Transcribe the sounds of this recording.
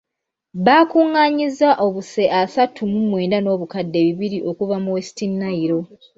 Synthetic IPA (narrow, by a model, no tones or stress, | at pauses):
βakuŋːaːɲizːaʔo̞βuse̞ʔasatʰumumwe̞ːndano̞ːβukadːe̞ːβiβiɾiʔo̞kuvamuwesi̥tinːaiɾo̞